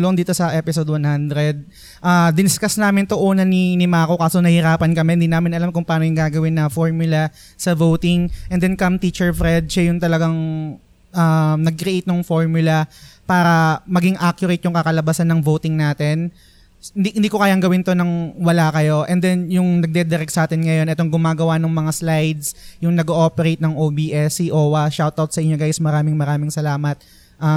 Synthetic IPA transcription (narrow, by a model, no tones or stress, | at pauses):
loŋd̪iːt̪o̞sɐʔɛːpɪsod̪̚wɐnhand̪ɾɛd̪̚ | ʔaːd̪ɪnskɐsnaːmɪnt̪oʔuːnɐninɪmaːko̞kaːsonɐhɪɾaːpɐnkɐmɛnd̪iːnaːmɪnɐlamkʊŋpɐaːnojʊŋɡaːɡɐwɪnːɐfoɹmjʊlɐ | sɐvowt̪ɪŋʔɛnd̪ɛnkɐmt̪iːt͡ʃɛɹfɾɛd̪̚ʃajʊŋt̪ɐlɐɡaŋ | ʔamnɐɡ̚kɾiʔejt̪̚nʊŋfo̞ɹmjʊlɐpaːɾɐmɐɡɪŋʔakjʊɾet̪̚jʊŋkɐkɐlɐbasanːɐŋvowt̪ɪŋnaːt̪ɛn | nd̪ihɪnd̪iːkokaːjɐŋɡɐwɪnt̪o̞nɐŋwɐlakɐjo̞ʔɛnd̪ɛnjʊŋnɐɡ̚d̪ɛd̪ɛɾɛk̚sɐʔaːt̪ɪnŋɐjo̞nɛt̪oŋɡʊmaːɡɐwanoŋmɐŋaslajd̪sjʊŋnɐɡoʔopɛɾejt̪̚nɐŋʔoːbiːʔɛsiʔoːwɐʃawt̪awt̪̚sɐʔɪɲːoɡajsmɐɾaːmɪŋmɐɾaːmɪŋsɐlaːmɐt̪̚ | ʔɐ